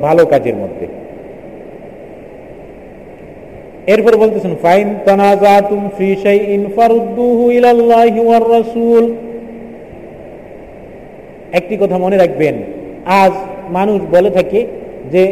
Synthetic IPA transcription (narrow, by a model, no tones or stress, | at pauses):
bʱalokad͡ʑḛɾmo̰d̪ʱːḛ | eɾpɔɾebolt̪et͡ɕʰenfajnt̪anazaːt̪umfiʃejʔinfaɾud̪ːuːɦuilalːaːɦiwarːɑsuːl | ɛk̚ʈikɔt̪ʰamoneɾak̚ʰbenad͡ʑmanuʃbolet̪ʰaked͡ʑe